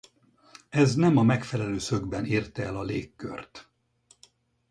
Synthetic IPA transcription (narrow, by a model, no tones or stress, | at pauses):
ɛznɛmɒmɛkfɛlɛløːsø̞ɡbɛnirt̪ɛɛlɒleːkːø̰rt̪